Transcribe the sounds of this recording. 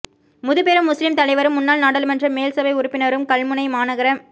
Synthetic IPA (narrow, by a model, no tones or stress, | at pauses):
mʊðɯpeːɾɯmːʊslɪmt̪ɐlɐɪʋɐɾɯmːʊnːaːlnaːɽɐlɯmɛndrɐmeːlsɐbɐɪʊɾʊpːɪnɐɾɯmkɐɭmɯnɐɪmaːnɐɣɐɾɐm